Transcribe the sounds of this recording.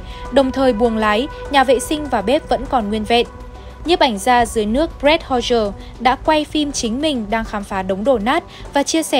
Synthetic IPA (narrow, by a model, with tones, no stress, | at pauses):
ɗə˨˩wŋ͡mt̪ʰəː˨˩jɓu˨˩əŋlaː˨˦jɲaː˨˩vḛ˧˨sï˧ŋ̟vaː˨˩ɓe˦˥p̚və̰˧˥nkɔ˨˩nŋwi˧ənvḛ˧˨n | ɲɨ˦˥p̚ʔa˧˩jŋ̟zaː˧zɨ˨˦əjnɨ˦˥ək̚bzɛ˦˥t̚hɔ˧zəː˧˩ | ɗa̰ː˧˥kwa˧jfi˧mt͡ɕï˨˦ŋ̟mï˨˩ŋ̟ɗaː˧ŋxaː˨˦mfaː˨˦ɗə˨˦wŋ͡mɗo̰˧˩naː˦˥t̚ | vaː˨˩t͡ɕi˧əsɛ˧˩